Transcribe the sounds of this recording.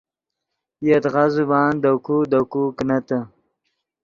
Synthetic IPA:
jet̪ɣazubɑːnd̪akud̪akuknat̪ə

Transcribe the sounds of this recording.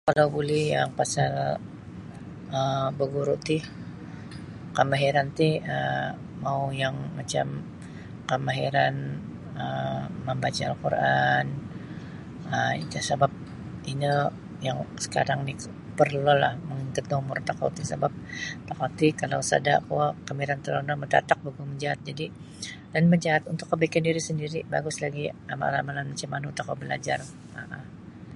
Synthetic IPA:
kalawbulɛhjaŋpasal | əbəɡuɾuʔt̪ɪ | kəmaɦiɾant̪ihə | maujaŋmat͡ʃa̰m | kəmaɦiɾan | əːəmbat͡ʃaalkṵrʔan | əḭt̪asabap̚ | inə | jaŋsə̥ka̰ɾaŋni | pərlolahməŋiŋkʊt̪̚nomʊrt̪aka̰t̪isa̰bap̚t̪akat̪ikalawsa̰da̰ʔkuakəmiɾant̪əɾonaməda̰t̪ak̚baɡuməɲd͡ʒaɦat̪̚d͡ʒadi | danməɲd͡ʒaɦat̪unt̪ʊkːəbaikandiɾisəndiɾiba̰ɡʊslaɡiama̰a̰lamananmat͡ʃamanut̪akabəla̰d͡ʒar | a̰ʔa

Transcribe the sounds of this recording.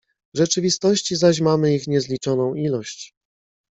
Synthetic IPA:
vʐɛt͡ʂɘvʲist̪ɔɕt͡ɕizaɕ̬mamɘixɲɛzlʲit͡ʂɔnɔ̃w̃ilɔɕt͡ɕ

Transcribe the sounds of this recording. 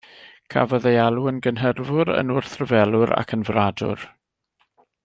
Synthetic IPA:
kʰa̰vɔðejalˠuənɡənɦərvʊɾə̰nʊrθrəvɛlˠʊɾa̰kʰənvradʊ̰r

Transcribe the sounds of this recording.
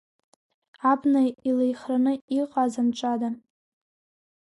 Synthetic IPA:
abnailejχranɨiqʼazanʈ͡ʂʷʼadan

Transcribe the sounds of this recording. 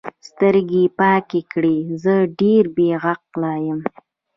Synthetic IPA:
st̪əɾɡepɑkekɽizəɖeɾbeɣaq̚lɑjəm

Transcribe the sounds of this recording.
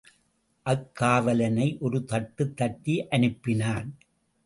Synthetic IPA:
ʔɐkːaːʋɐlɐnɐɪʔɔɾɯt̪ɐʈːɯt̪ːɐʈtːiʔɐnɯpːɪnaːn

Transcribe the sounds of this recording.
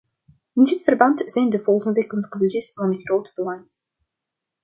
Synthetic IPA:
ɪndɪtfərbɑntz̥ɛjndəvɔlˠχəndəkɔnklyzisvɑnχrowtbəlɑŋ

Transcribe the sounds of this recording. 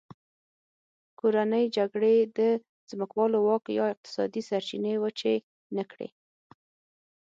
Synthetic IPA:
koɾanəjd͡ʒaɡɽed̪ə | z̥məkwɑlowɑkjɑɪq̚t̪ɪ̥sɑd̪isaɾt͡ʃinewət͡ʃe | nəkɽḛ

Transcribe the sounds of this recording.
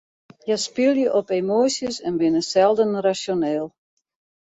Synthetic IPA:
jəspɪlˠjəʔɔpemoːsjəsɛnbɪnəsɛlˠdənrasjoneːlˠ

